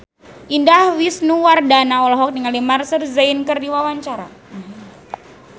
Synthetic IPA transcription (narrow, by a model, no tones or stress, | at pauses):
ʔindahwisnuwardanaɔlɔɦɔk̚niŋalimarsərzainkərdiwawaɲt͡ʃaɾa̰